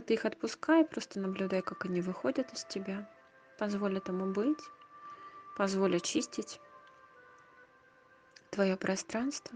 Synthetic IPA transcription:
t̪ɨixɐt̪̚pʊskajpɾo̞st̪ənəblʲʉd̪ajkakɐnʲivɨxo̞dʲət̪ɨsʲtʲɪbʲa | pɐzvo̞lʲɪt̪ɐmubɨtʲ | pɐzvo̞lʲɪt͡ɕisʲtʲɪtʲ | t̪vɐjopɾʔɐst̪ɾanst̪və

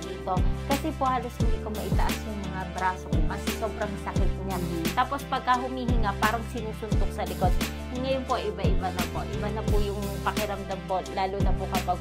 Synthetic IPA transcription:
it̪o̞kɐsɛpohaːloshɪnd̪iːkomɐʔɪt̪ɐʔasjʊŋmɐŋabɾaːsokmɐsso̞ːbɾɐŋsɐkɪt̪̚ɲant̪aːpo̞spɐɡ̚kɐɦʊmiːhɪŋapaːɾɐŋsɪnuːsʊnd̪ʊk̚sɐlɪkod̪̚ | ŋɐjonpoʔʔɪbaʔɪbanɐpoʔɪbanɐpʊjʊŋpɐkɪɾɐmd̪ɐmpo̞laːlunɐpʊkɐpɐɡ̚

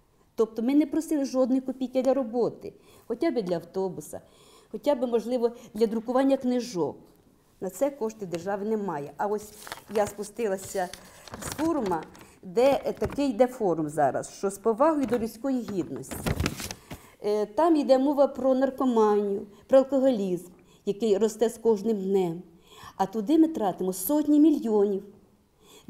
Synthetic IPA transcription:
t̪ɔp̚t̪ɔmɪnɛpɾɔsɪlˠɪʒɔd̪nʊjkʊpʲijkɪd̪lʲɐɾɔbɔt̪ɪ̰ | xɔtʲabɪd̪lʲɐɐwt̪ɔbʊsɐ̰ | xɔtʲabɪmɔʒlˠɪʋɔd̪lʲɐd̪ɾʊkʊʋɑnʲːɐknɪʒɔ̰k | nɐt̪sɛkɔʃt̪ɪd̪erʒɑʋɪnɛmɑjɛʔɐɔsʲjaspʊst̪ɪlˠɐsʲɐsfɔrmɐd̪ɛt̪ɐkɪjd̪ɛfɔɾʊmzɑɾɐ̰sʃt͡ʃɔspɔʋɑɦɔjʊd̪ɔlʲusʲkɔjiɦʲid̪nɔsʲtʲi | t̪ɑmid̪ɛmɔʋɐpɾɔnɐrkɔmɑnʲːʊpɾɔɐlˠkɔɦɔlʲizm | jɐkɪjrɔst̪ɛskɔʒnɪmd̪nɛm | ɐt̪ʊd̪ɪmɪt̪ɾɑt̪ɪmɔsɔtʲnʲimʲilʲjɔnʲiw

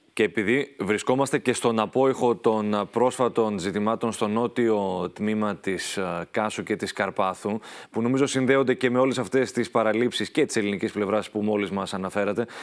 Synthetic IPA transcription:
ce̞ːpiðivɾisko̞mɐst̪e̞ce̞st̪o̞nɐpo̞ixo̞t̪o̞npɾo̞sfɐt̪o̞nzit̪imɐt̪o̞nst̪o̞no̞t̪io̞t̪mimɐt̪iskɐsuce̞t̪iskɐɾpɐθupuno̞mizo̞sinðe̞o̞nd̪e̞ce̞me̞o̞lesɐft̪e̞st̪ispɐɾɐlipsisce̞t̪i̥se̞linicisple̞vɾɐspumo̞lizmɐsɐnɐfe̞ɾɐt̪e̞

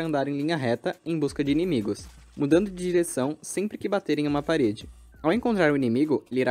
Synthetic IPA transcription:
ɐ̃nd̪aɾẽj̃lĩɲɐɦɛt̪ɐẽj̃buskɐd͡ʒɪinẽmiɡʊs | mud̪ɐ̃nd̪ʊd͡ʒɪd͡ʒiɾesɐ̃w̃sẽpɾɪkɪbat̪eɾẽj̃ũmɐpaɾed͡ʒɪ | awẽŋkõnt̪ɾaɾʊinemiɡʊeliɾa

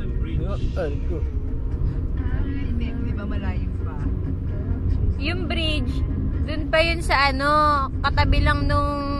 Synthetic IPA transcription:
aɾko | ɐmɛmnɪbamɐlajʊpa | jʊŋbɾɪt͡ʃd̪ʊnpɐjʊnsɐʔɐno̞kɐt̪ɐbɪlɐŋnʊŋ

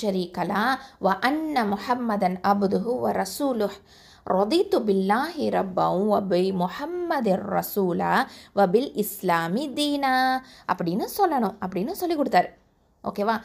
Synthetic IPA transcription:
ʃɐɾiːkɐlaːʋɐʔɐnːɐmʊħɐmːɐd̪ɐnɐbd̪ʊɦʊʋɐɾɐsuːlʊh | ɾɐd̪iːt̪ubɪlːaːɦiɾɐbːɐw̃ʋɐbimʊħɐmːɐd̪rːɐ̰suːla̰ːʋɐbilɪslaːmid̪iːnaːɐpːɐɽijnɐːsɔlːɐɳũɐpːɐɽijnɨːsolːikɔɽut̪aːɾ | oːkeʋaː

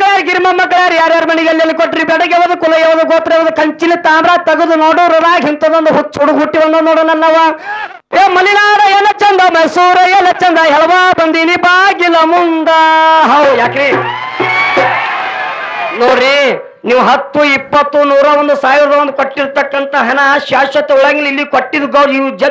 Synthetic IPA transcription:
kːɐɭaːɾɡiɾmɐmːɐk̬ːɐɭjaːɾjaːɾjaːɾmɐniɡɐlːɐlːikoʈːɾibɛɽɐɡeʋɐd̪ɐkulɐɡɛʋɐd̪ɐɡoːt̪ːɾeʋɐd̪ɐkɐɲt͡ʃinːit̪aːmɾaːt̪ɐɡud̪unoːɽuɾɐd̪aːɡɦint̪ɐd̪ond̪uɦut͡ʃːuɽuɡɦuʈːibɐnd̪onoːɽɐnɐnːɐʋa | eːmɐlinaːɾɐjeːnɐt͡ʃːɐnd̪ɐmɐjsuːɾɐjelɐt͡ʃːɐnd̪ɐɦɛɭɐʋaːbɐnd̪inibaːɡilɐmund̪ɐɦɐwjaːkɾi | noːɾi | niːʋuɦɐt̪ːuipːɐt̪ːunuːɾɐʋɐnd̪usaːʋiɾd̪ɐʋɐnd̪ukoʈːiɾt̪ɐkːɐnt̪ɐɦɐnɐʃaːʃɐt̪ːeuɭɐɡɐlilːikoʈːid̪uɡɐid͡ʒɐ

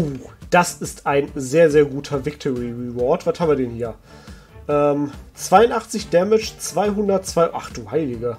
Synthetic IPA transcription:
ʔoːd̥asɪstaɪnzeːɐzeːɐɡuːtʰɐvɪk̚tʰɔʁiʁivɔɐtv̥athaːmviɐdɛnhiːɐ | ʔɛːmt͡sv̥aɪʊntʔaχt͡sɪçd̥ɛmɪt͡ʃt͡sv̥aɪɦʊndɐtt͡sv̥aɪʔaχd̥uːhaɪlɪɡə

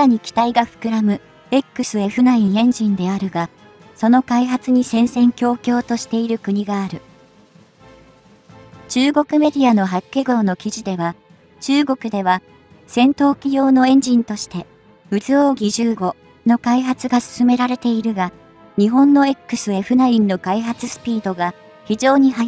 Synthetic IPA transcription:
aaɲ̟ikʲi̥t̪aiɡaɸɯ̟̥kɯ̟ɾamɯ̟ | e̞kːɯ̟sɨe̞ɸɯ̟naĩẽ̞ɲ̟d͡ʑĩnd̪e̞aɾɯ̟ɡa | so̞no̞kaiɦat͡sɨɲ̟isẽ̞ɰ̃sẽ̞ŋkʲo̞ːkʲo̞ːt̪o̞ɕi̥t̪e̞iɾɯ̟kɯ̟ɲ̟iɡaːɾɯ̟ | t͡ɕɨːɡo̞kɯ̟me̞d̪ʲiano̞ɦakːe̞ɡo̞ːno̞kʲiʑid̪e̞β̞a | t͡ɕɨːɡo̞kɯ̟d̪e̞β̞a | sẽ̞nt̪o̞ːkʲijo̞ːno̞ẽ̞ɲ̟d͡ʑĩnt̪o̞ɕi̥t̪e̞ | ɯ̟zɨo̞ːɡʲiʑɨːɡo̞ | no̞kaiɦat͡sɨɡasɨ̥sɨme̞ɾaɾe̞t̪e̞iɾɯ̟ɡa | ɲ̟iɦõ̞nːo̞e̞kːɯ̟sɨe̞ɸɯ̟naĩnːo̞kaiɦat͡sɨsɨ̥pʲiːd̪o̞ɡa | çid͡ʑo̞ːɲ̟iɦa

